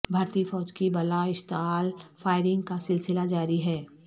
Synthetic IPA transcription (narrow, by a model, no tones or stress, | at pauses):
bʱaːɾt̪ifɔːd͡ʒkibɐlaɪʃt̪aːlfʰaːɪɾɪ̃ŋɡkasɪlsɪlad͡ʒaːɾiɦɛː